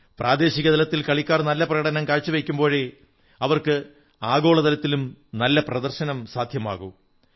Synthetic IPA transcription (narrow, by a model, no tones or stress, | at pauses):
prʔaːd̪eːɕiɣɐt̪ɐlɐt̪ːilkɐɭikʲːaːrnɐlːɐprɐɣɐɽɐnɐmkaːɻt͡ɕːuʋejkʲːumbo̞ːɻe | ɐʋɐrkɨ | aːɣo̞ːɭɐðɐlɐt̪ːilumnɐlːɐprɐd̪ɐrɕɐnɐmsaːd̪ʱjɐma̰ːɣu